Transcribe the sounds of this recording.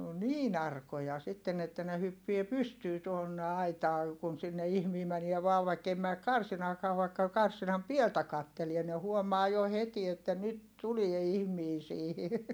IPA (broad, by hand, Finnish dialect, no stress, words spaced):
o niːn ɑrkojɑ sitːen etːæ ne hypːie pystyː tuonːe ɑitɑː kun sinːe ihmiː mænie ʋɑːʋ ʋɑikːei mæːk kɑrsinɑːkɑː ʋɑikːɑ kɑrsinɑm pieltæ kɑtːelie ne huomɑː jo heti etːæ nyt tulie ihmiː siːhi